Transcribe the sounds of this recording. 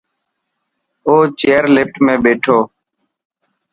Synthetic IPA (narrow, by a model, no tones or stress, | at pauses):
oːt͡ʃeːəɾlɪpʈmẽːɓeːʈʰoː